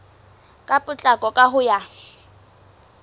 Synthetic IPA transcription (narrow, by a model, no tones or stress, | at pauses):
kʼapʼʊt͡ɬʼakʼɔkʼaɦʊja